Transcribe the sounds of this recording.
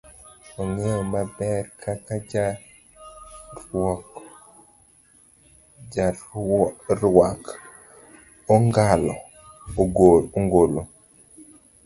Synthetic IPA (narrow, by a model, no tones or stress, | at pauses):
ɔŋemabɛɾkʰakad͡ʒa | ɾwɔk | d͡ʒa | ɾwak | ɔŋɡalɔ | ɡooŋɡolo